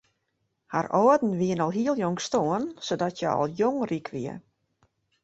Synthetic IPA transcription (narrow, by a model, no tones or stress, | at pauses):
ha̰rɔːdn̩ʋiənɔlˠɦiəlˠjoŋstoənsodɔtjɛ̰ɔ̰lˠjoŋrikʰʋiə